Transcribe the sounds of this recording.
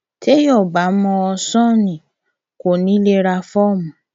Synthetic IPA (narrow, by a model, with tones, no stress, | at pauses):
te˦jɔ˦˨ba˨˦mɔ̃˧ɔ˧sɔ̃˦˨nĩ˨ | ko˨nĩ˦le˦ɾa˧fɔ˦˨mũ˨